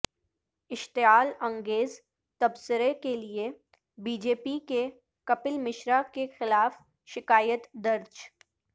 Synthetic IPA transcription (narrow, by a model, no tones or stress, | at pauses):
ɪʃt̪ɪaːlɐ̃ŋɡeːz | t̪ɐbsɪɾekelie | biːd͡ʒeːpike | kɐpɪlmɪʃɾakexɪlaːf | ʃɪkaːjət̪d̪ɐɾd͡ʒ